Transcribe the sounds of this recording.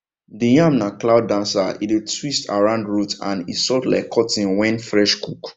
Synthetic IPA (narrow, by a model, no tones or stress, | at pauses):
dijãmnaklaʊdːãnsaḭdetwistʰa̰ɹãʊ̃ndɹutã̰nḭtsɔtla̰ɪkʰːɔtĩnwɛ̃nfɹɛʃkʰuk